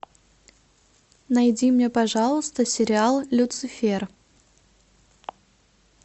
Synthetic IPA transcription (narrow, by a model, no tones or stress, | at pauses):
nɐjdʲimnʲepɐʐɑlˠəst̪əsʲɪɾʲɪalˠlʲʊt̪sɨfʲer